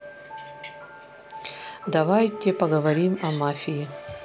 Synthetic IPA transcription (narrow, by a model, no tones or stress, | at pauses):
d̪ɐvajtʲɪpɐɡəvɐɾʲimɐmafʲɪjɪ